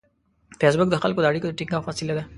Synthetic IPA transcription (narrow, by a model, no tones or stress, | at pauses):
fjes̬bʊk̚d̪əxalkod̪aɽikod̪əʈiŋɡafasilad̪a